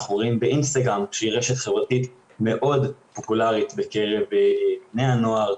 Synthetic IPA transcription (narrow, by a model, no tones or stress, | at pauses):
χuʁimbeʔinst̪aɡʁamkʃeiʁeʃet̪χe̞vʁatit̪ | me̞ʔo̞dpo̞pulaʁit̪beke̞ʁe̞vbneano̞aʁ